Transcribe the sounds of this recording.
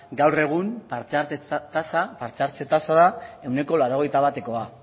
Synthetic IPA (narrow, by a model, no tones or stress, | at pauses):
ɡawre̞ɣ̞umpaɾt͡seat̪asapaɾt͡s̪eaɾt͡se̞t̪asaðae̞wne̞ko̞laɾo̞ɣ̞e̞jt̪aβat̪e̞ko̞a